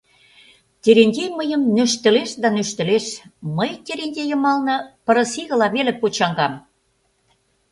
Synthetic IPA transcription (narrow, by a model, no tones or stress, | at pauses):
t̪ʲeɾenʲdʲejməjəmnø̆ʃt̪ə̆leʃd̪ɑnøʃt̪ə̆leʃməjt̪ʲeɾenʲdʲejə̆mɑlnɤ̆pɤ̆ɾə̆siɣə̆lɑβelĕpot͡ɕɑŋɡɑm